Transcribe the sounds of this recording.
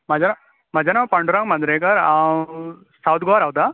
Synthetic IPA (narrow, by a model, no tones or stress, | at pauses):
m̤ad͡ʑana | mad͡ʑanapəɳɖuɾãŋmɐ̃nd̪ɾekəɾa | sawt̪ɡoʋaɾaʋt̪a